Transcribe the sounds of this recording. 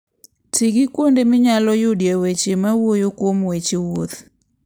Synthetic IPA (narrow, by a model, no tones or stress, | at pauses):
tiɡɪkwondemɪɲalɔjʊdiawet͡ʃemawojokwomwet͡ʃewot̪